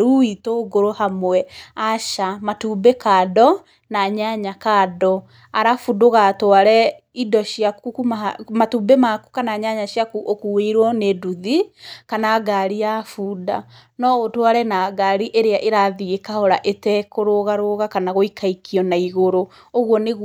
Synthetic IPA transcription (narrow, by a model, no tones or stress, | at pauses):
ɾuitoːɡoɾohamwɛaʃamatuːbekaːdɔ | naɲaɲakaːdɔ | aɾafudoɣaːtwaɾɛ | idɔʃiakukumamatubemaku̥kanaɲaɲaʃiakuʔokueiɾwɔneduðikanaːɡaɾiafuːda | nɔotwaɾɛnaːɡaɾiʔeɾeaʔeɾaðiɣekahɔɾaʔetɛkoɾoɣaɾoɣakanaɣoikʰaikʰiɔnaiɣoɾo | oɣwɔneɣ